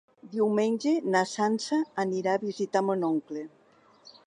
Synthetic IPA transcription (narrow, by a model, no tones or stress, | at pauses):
d̪iwmenʲd͡ʒenasansaːniɾaːβizit̪amənoŋkle